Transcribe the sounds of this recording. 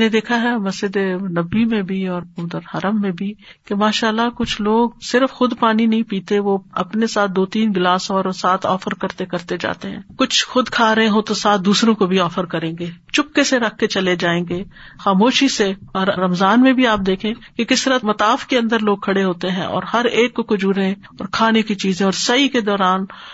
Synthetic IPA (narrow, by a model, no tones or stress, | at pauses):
ned̪eːkʰaɦɛmɐsd͡ʒɪd̪enɐbːimẽbʱiɔːɾʊd̪əɾhɐɾəmːẽbʱikemaːʃaːlːakʊt͡ʃʰloːɡsɪɾəfxʊd̪paːninɐɦĩpiːt̪eʋoɐpnesaːt̪̚ʰd̪oːt̪iːnɡɪlaːsɔːɾsaːt̪ʰɔ̰ːfəɾkɐɾt̪ekɐɾt̪ed͡ʒa̰ːt̪eɦɛ̃ːkʊt͡ʃʰxʊd̪kʰaːɾɐɦẽɦõt̪osaːt̪̚d̪uːsɾõkobʱiɔːfəɾkɐɾẽːŋɡeːt͡ʃʊp̚keseɾɐk̚ʰːet͡ʃɐled͡ʒaːẽːŋɡeː | xaːmoːʃiseɔːɾɾɐmzaːnmẽbʱiaːp̚d̪eːkʰẽːkekɪst̪ɐɾamɐt̪aːfkeɐ̃nd̪əɾloːɡ̚kʰɐɽeɦoːt̪eɦɛ̰̃ʔɔ̰ːɾhɐɾeːkːokʊd͡ʒuːɾẽ | ɔːɾkʰaːnekit͡ʃiːzẽɔːɾsɐɦiked̪ɔːɾaːn